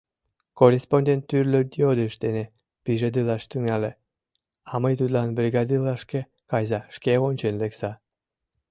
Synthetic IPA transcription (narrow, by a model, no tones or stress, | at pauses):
korʲesponʲd̪ʲent̪ːyrlʲød̪ʲiod̪ɯʃd̪ene | piʒed̪ɯlˠɑʃt̪yŋɑlʲe | ɑməjt̪ut̪lˠɑnbɾʲiɡɑd̪ɯlˠɑʃkʲe | kɑjzɑʃkʲeonʲt͡ɕenʲleksɑ